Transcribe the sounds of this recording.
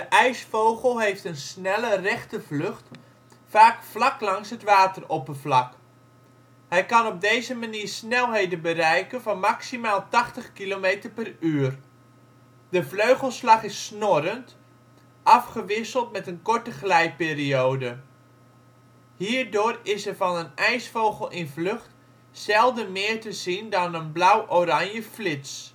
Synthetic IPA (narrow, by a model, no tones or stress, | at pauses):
dəʔɛjsfowχəlˠɦejftənsnɛlərɛχtəvlɵχt | faːkflɑklɑŋsɦətʋaːtəropəvlɑk | hɛjkɑnɔb̚dejzəmaniːrɹsnɛlˠɦejdənbərɛjkənvɑnmaksimaːlˠtɑχtəχkilomeːtərpɛryːər | d̥əfløɥχəlˠslɑχɪsːnoɾənt | ʔɑfχəʋɪsəlˠtmɛtənkɔɹtəχlɛjpeːrioːdə | hiːrdʊːrɪsərvɑnənɛjsfowɣəlˠʔɪnvløχt | sɛlˠdəmɪːrtəzindɑnənblawʔoranjəflɪts